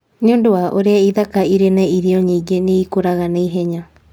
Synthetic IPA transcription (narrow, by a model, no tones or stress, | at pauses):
ɲondoaʔoɾeaiðakaiɾenaiɾioɲiɡeniikoɾaɣaneiɦeɲa